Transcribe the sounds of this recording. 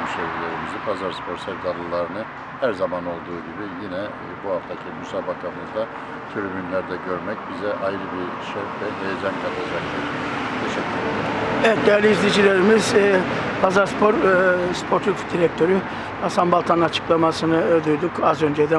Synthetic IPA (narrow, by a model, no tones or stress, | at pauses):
søjɾilʲeɾimizipʰazaɾspʰo̞ɾsɛɾd̪alˠɯlˠaɾɯnɯ | hæɾzamano̞lˠd̪uːɟibijinɛ | buhaft̪ʰacʰimysaːbakʰamɯzd̪a | t̪ʰyɾymynlʲæɾd̪ɛɟøɾmɛc̚bizɛʔajɾɯbiɾʃøvɛɦ̪ejed͡ʒankʰalˠad͡ʒakt̪iɾt̪ʰeʃɛcʲʰːylɾeevɛt̪̚d̪ɛjæɾlʲiizlʲed͡ʒilʲeɾimizpʰazaɾspʰo̞ɾspʰo̞ɾt̪ʰufd̪iɾɛk̚t̪ʰø̞ɾy | ast̪ʰambalˠt̪ʰanɯnat͡ʃʰɯ̥klˠamasɯnɯød̪yjd̪ykazø̞nd͡ʒɛd̪ɛ